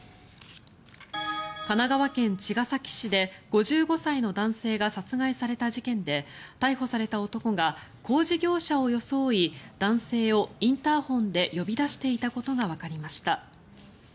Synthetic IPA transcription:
kanaɡaβakẽ̞ɲt͡ɕiɡasakʲi̥ɕid̪e̞ɡ̥o̞ʑɨːɡo̞saino̞d̪ãɰ̃se̞ːɡasat͡sɨɡaisaɾe̞t̪aʑikẽ̞nd̪e̞t̪aiho̞saɾe̞t̪ao̞t̪o̞ko̞ɡako̞ːʑiɡʲo̞ːɕao̞jo̞so̞ːid̪̥ãɰ̃se̞ːo̞ĩnt̪aːhõ̞nd̪e̞jo̞bʲid̪aɕi̥t̪e̞it̪ako̞t̪o̞ɡaβ̞akaɾʲimaɕi̥t̪a

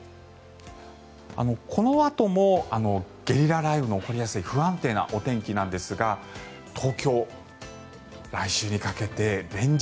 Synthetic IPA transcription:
a̰no̞kʰo̞no̞at̪o̞mo̞ano̞ɡ̥ʲe̞ɾʲiɾaɾaibɯ̟noːko̞ɾʲijasɨiɸɯ̟ãnt̪e̞ːna̰ʔo̞t̪ẽ̞ŋkʲinãnd̪e̞sɨɡa | t̪ʰo̞ːkʲo̞ː | ɾaiɕɨːɲ̟ikake̞t̪e̞ɾẽ̞ɲ̟

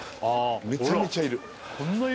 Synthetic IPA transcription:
amet͡ɕamit͡ɕaiɾɯ | kʰõnːa

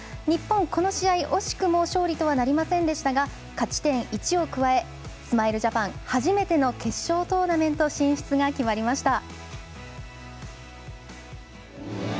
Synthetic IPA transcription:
ɲ̟ipːõ̞ŋko̞no̞ɕiaiʔo̞ɕi̥kɯ̟mo̞ɕo̞ːɾʲit̪o̞β̞anaɾʲimasẽ̞nd̪e̞ɕi̥t̪aɡa | kat͡ɕi̥t̪ẽ̞ɰ̃ʔit͡ɕio̞kɯ̟βae̞ | sɨmaiɾɯ̟ʑapãŋ̃haʑime̞t̪e̞no̞ke̞ɕːo̞ːt̪o̞ːnamẽ̞nt̪o̞ɕĩɰ̃ɕi̥t͡sɨɡakʲimaɾʲimaɕi̥t̪a

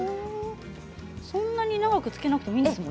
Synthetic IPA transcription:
sõ̞nːaɲ̟inaɡakɯ̟t͡sɨ̥ke̞nakɯ̥t̪emĩnesɨmõ̞

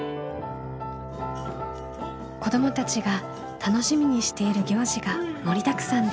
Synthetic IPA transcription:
ko̞d̪o̞mo̞t̪at͡ɕiɡa | t̪ʰano̞ɕimʲiɲ̟iɕi̥t̪e̞iɾɯ̟ɡʲo̞ːʑiɡamo̞ɾʲit̪akɯ̟̥sãn

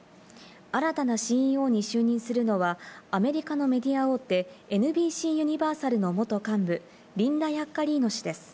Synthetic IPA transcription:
aɾat̪anaɕĩo̞ːɲ̟iɕɨːɲ̟ĩɰ̃sɨɾɯ̟no̞βaːme̞ɾʲikano̞me̞d̪ʲiao̞ːt̪ːe̞enɯ̟bʲiːɕiːjɯ̟ɲ̟ibaːsaɾɯ̟no̞mo̞t̪o̞kãmbɯ̟ | ɾʲĩnd̪ajakːaɾʲiːno̞ɕid̪e̞sɨ̥

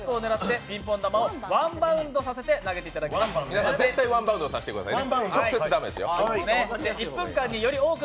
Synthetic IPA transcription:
poːneɾatt̪ːe̞bʲĩmpõ̞nd̪amao̞βãmbãɯ̟̃nd̪o̞sase̞t̪e̞naɡe̞t̪e̞it̪ad̪akʲemasminasãzet̪ːaiβãmbaɯ̃nd̪osaɕei̥t̪ekɯ̟d̪asaiet͡ɕoseɨɨd̪ame̞d̪esɨjo̰ned̪eipːɯ̟̃ŋkãɲ̟ːijo̞ɾʲio̞ːkɯ̟

